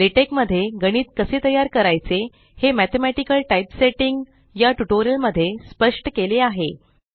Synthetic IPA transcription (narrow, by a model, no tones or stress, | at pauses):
ɾiʈekməd̪ʱːjeɡəɽ̃iːt̪̚kəset̪əjaɾkəɾajt͡se | hemæt̪ʰemæʈikəlʈajpseʈiŋɡ | jaʈuʈoɾiəlməd̪ʱːjespəʂʈəkeleaɦe